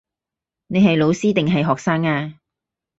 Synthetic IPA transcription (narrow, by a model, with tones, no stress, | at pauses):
ne˨jɦɐ˨jlo˨˧wsiː˥t̪ɪ˨ŋɦɐ˨jɦɔː˨k̚saː˥ŋaː˧